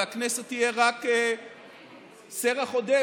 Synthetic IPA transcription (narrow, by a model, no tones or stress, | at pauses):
akneset̪ːijeʁak | seʁaχo̞d̪e